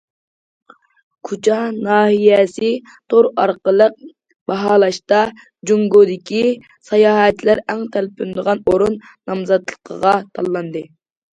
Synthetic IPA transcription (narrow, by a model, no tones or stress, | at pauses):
kʰut͡ʃʰɑnɑːhijɛsɪ | t̪ʰoɾɑɾqəlˠəq̚ | bɑɦɑːlˠɑʃt̪ɑ | d͡ʒuŋɡod̪ɪkʲi | sɑjɑːɦɛt̪læɾæŋt̪ʰælpynd̪əʁɑnoɾunːɑmzɑt̪lˠə̥qʰə̰ʁɑt̪ʰɑlˠːɑnd̪ɨ